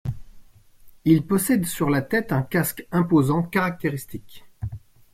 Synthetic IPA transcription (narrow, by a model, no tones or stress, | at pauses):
ilpɔsɛd̪syʁlat̪ɛt̪ɛ̃kaskɛ̃pozɑ̃kaʁak̚t̪eʁist̪ik